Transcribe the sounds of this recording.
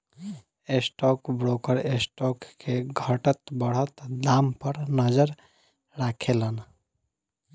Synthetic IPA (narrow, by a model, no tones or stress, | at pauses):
esʈɔkbɾokəɾesʈɔkːeɡʱəʈət̪bəɽ̤ət̪d̪ampəɾnəd͡ʒəɾ | ɾakʰelən